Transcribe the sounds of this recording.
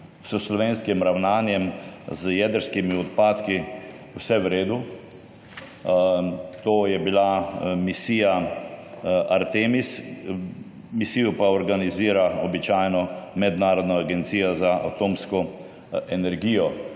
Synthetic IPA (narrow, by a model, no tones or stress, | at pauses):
səslɔʋeːnskimɾawnaːnjɛmzjɛd̪əɾskimiɔt̪̚paːt̪ki | wsɛʋɾeːd̪u | t̪oːjɛbilamisiːja | ʔaɾt̪eːmis | misiːjɔpaɔɾɡaniziːɾaɔbit͡ʃaːjnɔmɛd̪naːɾɔd̪nɔaɡɛnt̪siːjazaʔa̰t̪oːmskɔ | ɛnɛɾɡiːjɔ